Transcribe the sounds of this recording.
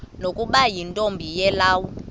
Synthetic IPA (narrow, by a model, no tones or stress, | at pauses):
nokʼuɓajintʼombʱijɛlaːwɔ